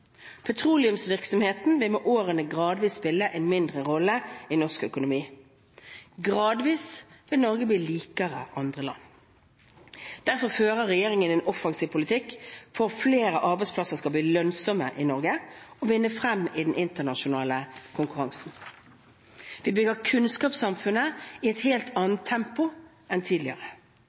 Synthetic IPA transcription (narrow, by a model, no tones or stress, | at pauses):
pʰɛt̪ʰʁuːlɪʉmsʋɪʁksɔmheːt̪n̩ʋɪlmoːʔoːʁənəɡʁɑːd̪ʋiːsspɪlːəʔɛnmɪnd̪ʁəʁɔlːəɪnɔʁskœkʊnʊmiː | ɡʁɑːd̪ʋiːsʋɪlnɔʁɡəbliːliːkəʁə̰ʔɑnd̪ʁəlɑ̰nː | d̪̥æʁfɔʁføːʁəʁɛjeːʁɪŋənɛːnʔɔfɑŋsiːʋpʰʊlɪt̪ʰɪkːfɔʁfleːʁəʔɑʁbæɪspʰlɑsəʁskɑbliːlœnsɔməʔɪnɔʁɡəɔʋɪnːəfʁɛmɪd̪ɛnʔɪnt̪ənɑʃʊnɑːləkʰʊŋkʉʁɑŋsn̩ | ʋɪbʏɡəʁkʰʉnskɑːpsɑmfʉnːəɪɛt̪heːlt̪ʰɑːnət̪ʰːɛmpʊ | ɛnt̪ʰiːd̪lɪəʁə